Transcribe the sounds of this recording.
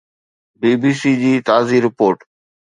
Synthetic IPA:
biːbiːsiːd͡ʑiːt̪aːziːɾɪpoːɾʈ

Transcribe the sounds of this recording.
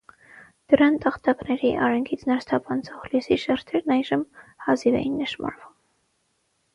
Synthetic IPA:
d̪̥əɾɑnt̪ɑχt̪ɑknɛɾiʔɑɾɛŋkʰit͡sʰnɑɾst̪ʰɑpʰɑnt͡sʰɔχljusiʃɛɾt̪ʰɛɾnɑjʒəmhɑzivɛ̰jinːəʃmɑ̰ɾvum

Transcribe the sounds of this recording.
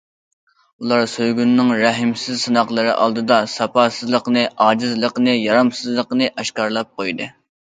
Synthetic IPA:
ulˠɑɾsøjɡʲynːɨŋɾæɦɪmsɪzsɨnɑqlˠɨɾɨ̰ʔɑ̰lˠd̪ɨd̪ɑsɑpɑːsɨzlˠəqnɨʔɑːd͡ʒɪzlˠəqnɨjɑɾɑmsɨzlˠəqnɨʔɑʃkɑɾlˠɑp̚qʰojd̪ɨ

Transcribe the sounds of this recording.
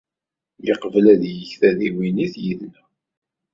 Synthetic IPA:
liqəvlæðjəçθæðiwiniθjiðnæ

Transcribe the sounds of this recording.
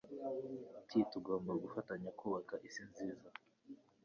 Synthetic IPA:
tʰituɡoːmbaɡufataɲakuːβakaʔisinziːza

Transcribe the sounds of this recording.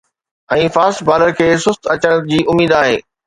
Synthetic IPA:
ɛ̃ːfaːsbʱaːləɾkʰeːsʊst̪ɐt͡ɕəɽ̃d͡ʑiːʔʊmiːd̪aːɦḛː

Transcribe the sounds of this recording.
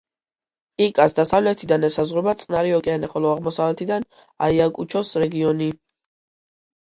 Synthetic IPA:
ikʼasd̪asavlɛt̪ʰid̪anɛsazʁwɾɛbat̪sʼnaɾiɔkʼɛanɛχɔlɔaʁmɔsavlɛt̪ʰid̪an | a̰iakʼut͡ʃʰɔsɾɛɡiɔni

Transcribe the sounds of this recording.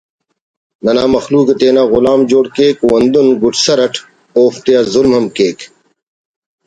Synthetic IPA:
nɐnaːmɐxluːket̪eːnaːɣʊlaːmd͡ʑoːɽkeːkwɐnd̪unɡuʈʰsɐɾɐʈʰ | oːft̪eazulmɦɐmkeːk

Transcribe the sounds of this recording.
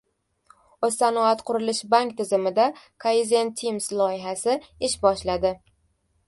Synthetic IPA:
osːanɒat̪qʰʊɾɪlɪʃbaŋkʲt̪ʰɪzɪmɪd̪a | kʰoizʲent̪ʰːimslˠɒɪɦasɪɪʃbɒʃlad̪ɪ

